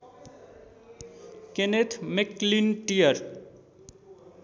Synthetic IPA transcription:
kenet̪ʰmeklinʈijʌɾ

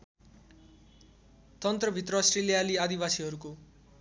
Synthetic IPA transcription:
t̪ʌnt̪rʌbʱit̪rʌsrelijaliad̪ibasiɦʌɾuko

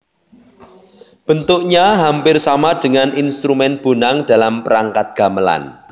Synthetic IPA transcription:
b̥ənt̪ʊkɲaɦampɪrsamad̥əŋaninst̪ɾumɛnb̥o̤naŋd̥a̤lampəɾaŋkat̪̚ɡ̥a̤məla̰n

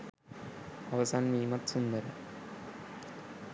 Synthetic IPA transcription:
ɐʋɐsaːnmiːmɐt̪sund̪ɐɾɐ

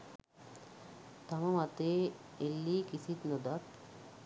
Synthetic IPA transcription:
t̪aməmat̪eː | elːiːkisit̪nod̪at̪̚

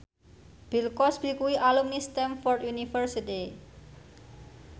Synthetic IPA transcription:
b̥i̤lkɔsb̥i̤kuwiʔalumnist̪ɛmfɔrt̪junifərsit̪i

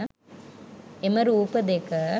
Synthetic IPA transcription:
emɐɾupɐd̪ekɐ

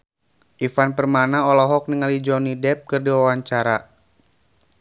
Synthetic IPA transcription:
ʔifanpərmanaɔlɔɦɔk̚niŋalid͡ʒɔnidɛp̚kɨrdiwawaɲt͡ʃaɾa

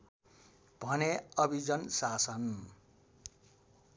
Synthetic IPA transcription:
b̥ʱʌneʌbʱid͡zʌnsasʌn

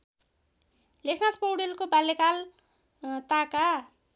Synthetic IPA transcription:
lekʰnaspowɽelkobalːekal | t̪aka

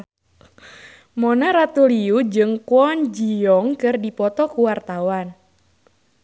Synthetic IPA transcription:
mɔnaɾat̪uliud͡ʒɨŋkwɔnd͡ʒiɔŋkɨrdipɔt̪ɔkuwart̪awan

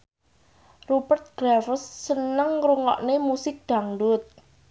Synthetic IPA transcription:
rupərt̪̚ɡ̥ɾafəsːənəŋruŋɔ̰ʔnemusɪk̚d̪̥a̤ŋdʊt̪̚

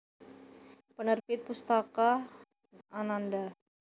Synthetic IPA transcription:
pənərpɪt̪̚pust̪akaː | nanda

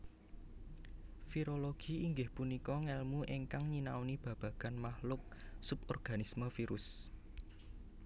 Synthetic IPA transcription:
fiɾoloɡ̥iiŋɡɪhpunikɔŋɛlmuʔiŋkaŋɲinaunib̥ä̤b̥ä̤ɡ̥a̤nmahlʊk̚sʊpɔrɡ̥a̤nisməfiɾʊs

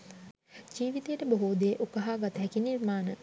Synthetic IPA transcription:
d͡ʒiːʋit̪ejəʈəbəɦud̪ejeʔukəɦaːɡat̪əɦɛkinirmaːnə

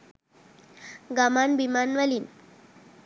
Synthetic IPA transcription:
ɡamanbimanʋaliːn

